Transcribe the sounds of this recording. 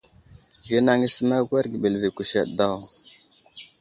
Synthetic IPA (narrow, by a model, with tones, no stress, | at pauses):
ɡi˦na˦ŋi˦sə˦ma˦ɡʷa˦ɾɡi˨ɓe˨lvi˨ku˨ʃḛ˨ɗda˦˨w